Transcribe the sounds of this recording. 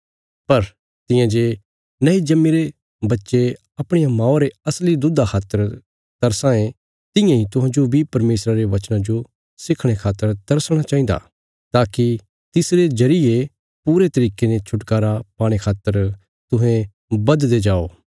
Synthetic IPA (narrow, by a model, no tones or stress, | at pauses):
pɐɾ | t̪ɪ̃jãd͡ʒe | nɐid͡ʒɐmːiɾe | bɐtːʃe | ɐpɽ̃ejãmãːoɾeɐslid̪ʊd̪akʰaːt̪əɾ | d̪̥ɐɾsãːẽ | t̪ɪ̃jãɦit̪ʊɦãd͡ʒobʱipɐɾmeːsɾaɾeʋɐt͡ʃnãd͡ʒo | sɪkʰɽ̃ekʰaːt̪ːəɾd̪ɐɾsɽ̃at͡ʃaːɦĩnd̪a̰ | t̪aːki | t̪ɪsɾed͡ʒɐɾɪe | puːɾet̪ɐɾiːkenet͡ʃʰʊʈkaːɾapaːɽ̃ekʰaːt̪ːəɾ | t̪ʊɦẽ | bɐd̪d̪ed͡ʒaːo̰ː